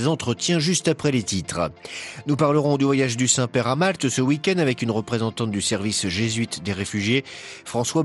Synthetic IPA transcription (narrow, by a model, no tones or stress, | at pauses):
zɑ̃t̪χət̪jɛ̃ʒyst̪apχɛlet̪it̪χnupaʁləʁɔ̃d̪yvwajaʒd̪ysɛ̃pɛʁamalt̪səwikʲɛnd̪avɛkynʁəpχezɑ̃t̪ɑ̃t̪̚d̪ysɛʁvisʒezɥit̪d̪eʁefyʒjefχɑ̃swa